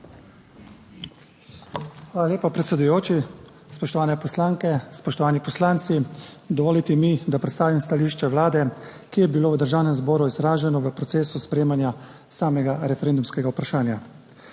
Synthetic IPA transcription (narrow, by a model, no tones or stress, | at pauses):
xʋaːlaljeːpapɾɛt̪sɛd̪ujoːt͡ʃi | spɔʃt̪ɔʋaːnɛpɔslaːŋkɛspɔʃt̪ɔʋaːnipɔslaːnt̪sid̪ɔʋoːlit̪imid̪apɾɛt̪st̪aːʋimst̪aliːʃt͡ʃɛʋlaːd̪ɛkijɛbiloːʋəd̪əɾʒaːwnɛmzbɔːɾuizɾaːʒɛnɔʋəpɾɔt̪seːsuspɾeːmanja | saːmɛɡaɾɛfɛɾeːnd̪umskɛɡaupɾaʃaːnja